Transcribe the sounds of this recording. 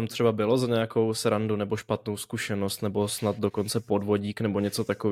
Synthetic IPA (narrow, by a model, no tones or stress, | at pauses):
amt̪r̝̥ɛbabɪlo̞zaɲɛjako̞wsɛɾandunɛboʃpat̪nowskuʃɛno̞st̪nɛbo̞snad̪do̞ko̞nt͡sɛpo̞dvo̞ɟiːknɛbo̞ɲɛt͡so̞t̪akov